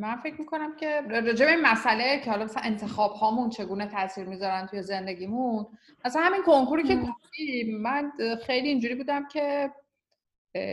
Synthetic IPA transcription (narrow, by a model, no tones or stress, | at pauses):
mænfe̞cʰmiːkʰo̞næmcʲʰe̞ɾɒːd͡ʒe̞be̞inmæsælecʰehɒlɒmæsænʔent̪ʰe̞xɒːbhɒːmunt͡ʃʰe̞ɡuːnet̪ʰæʔsiːɾmizɒɾænt̪ʰuje̞ze̞nd̪e̞ɟʲiːmun | mæsænhæminkʰoŋkuɾicekʰofd̪iːænxejliːnd͡ʒuɾiːbuːd̪æmcʰe̞